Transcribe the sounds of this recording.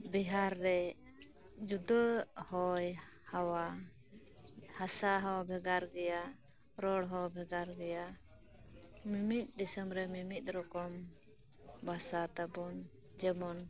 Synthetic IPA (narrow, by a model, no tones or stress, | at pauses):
biɦaɾːɛ | d͡ʒud̪əhɔj | hawa | hasaɦawabʱɛɡaɾɡɛja | ɾɔɽɦɔbʱɛɡaɾɡɛja | mimit̪̚ˀdɛsəmɾɛmimit̪̚ˀɾɔkɔm | basat̪abɔn | d͡ʒɛmɔn